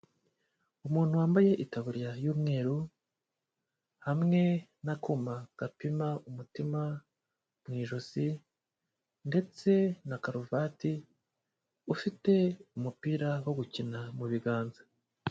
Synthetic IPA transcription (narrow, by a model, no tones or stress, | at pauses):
umuːn̥huwaːmbaje̞ʔitaβuɾiɾajuːmŋe̞ːɾu | hamŋe̞nakomaɡ̥apimaumutima | mŋiːʒozi | nde̞t͡se̞nakaɾuvati | ufite̞umupiːɾawo̞ɡucinamuβiɡaːnza